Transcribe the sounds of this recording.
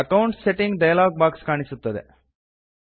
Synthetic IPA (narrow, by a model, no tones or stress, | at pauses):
ɐkɐwɳʈseʈiŋɡɖɐjalaːɡ̚baːkskaːɳisut̪ːɐd̪ḛ